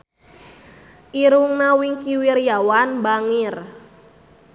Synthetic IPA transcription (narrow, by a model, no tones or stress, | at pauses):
ʔiɾuŋnawiŋkiwirjawanbaŋir